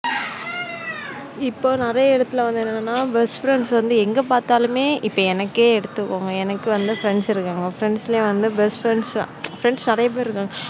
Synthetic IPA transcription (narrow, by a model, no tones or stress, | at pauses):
ɪpːoːnɪɾɐjɐɛɽɐt̪ːɯlɐʋɐnd̪ɯɛnːɐnnːaːbɛsfɾɛɳɖsʋɐnd̪ɯɛŋɡɐpaːɾt̪aːlɯmeːʔɪpːoːɛnɐkːeːɛɽɯt̪ːɯkːoːŋɡɐɛnɐkːɯʋɐnd̪ɯfɾɛɳɖsɪɾɯkːaːŋɡɐfɾɛɳɖsɪleʋɐnd̪ɯbɛsʈfɾɛɳɖsfɾɛɳɖsnɪɾɐjɐp̬eːɾɪɾɯkːaːŋɡɐ